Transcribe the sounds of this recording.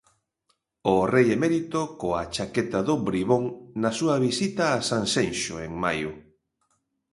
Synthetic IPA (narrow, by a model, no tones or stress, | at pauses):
ʊrejemeɾit̪okoat͡ʃaket̪aðʊbɾiβoŋnɐsuɐβisit̪aːsaŋsenʃoeŋmajʊ